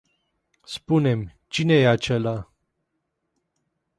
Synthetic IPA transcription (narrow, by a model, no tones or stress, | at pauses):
spune̞m | t͡ʃine̞jeat͡ʃela